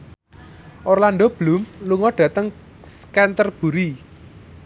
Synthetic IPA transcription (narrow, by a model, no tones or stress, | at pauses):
ʔɔrlanɖob̥lumluŋɔɖ̥ä̤t̪əŋ | skɛnt̪ərb̥ṳɾi